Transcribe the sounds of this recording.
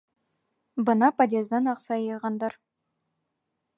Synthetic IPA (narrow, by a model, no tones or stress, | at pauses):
bənɑpʰɑd̪ʲezd̪ɑnɑqsɑjɑʁɑnd̪ɑɾ